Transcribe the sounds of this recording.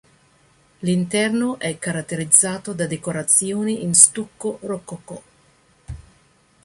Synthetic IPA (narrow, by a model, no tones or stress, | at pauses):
lint̪ɛrnoʔɛkːaɾat̪ːeɾid̪zːaːt̪od̪ad̪ekoɾat̪sjoːniʔinst̪ukːoɾɔkːoko